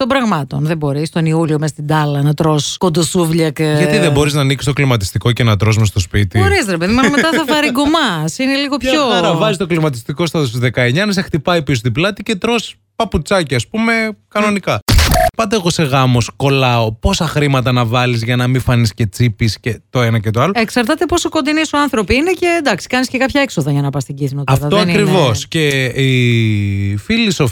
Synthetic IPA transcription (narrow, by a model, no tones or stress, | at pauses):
t̪ombɾɐɣmɐt̪o̞nðebo̞ɾist̪o̞niuliomesɐst̪id̪ɐlɐnɐt̪ɾo̞skond̪osuvʎɐkeʝɐt̪iðebo̞ɾiznɐːniksist̪o̞klimɐt̪i̥st̪iko̞ce̞nɐt̪ɾo̞zmest̪o̞spit̪ixoɾisɾepe̞ðimɐmet̪ɐθɐfɐɾiɡomɐsineliɣo̞pçoɾɐvɐzist̪o̞klimɐt̪̬i̥st̪iko̞st̪ɐðost̪ðe̞kɐeɲɐnɐse̞xt̪ipɐipis̬ot̪iblɐt̪ice̞t̪ɾo̞s | pɐput͡sɐciɐspume̞kɐno̞nikɐpɐt̪eːɣose̞ɣɐmo̞sko̞lɐopo̞sɐxɾimɐt̪ɐnɐvɐlizʝɐnɐmifɐnisce̞t͡sipiscet̪o̞enɐcet̪oɐloeksɐɾt̪ɐt̪e̞posoko̞nd̪inisoɐnθɾo̞piinece̞d̪ɐksi̥kɐnisce̞kɐpçɐeksoðɐʝɐnɐpɐst̪iɟiθnot̪ɐtfɐðoɐɾivo̞sce̞i | filisof